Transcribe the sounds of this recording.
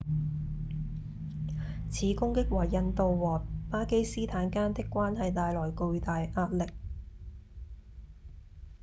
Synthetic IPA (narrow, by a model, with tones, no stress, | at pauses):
t͡sʰiː˨˥kʊ˥ŋkɪ˥k̚waː˨˩jːɐ˧nt̪o˨˧wwɔː˨t̚paː˥ke˥jsiː˥t̪ʰaː˨˥nkaː˥nt̪ɪ˥kːʷwaː˥nɦɐ˨jt̪aː˨jlɔː˨˩jkɵ˧ɥt̪aː˨jʔaː˧t̚lɪ˨k̚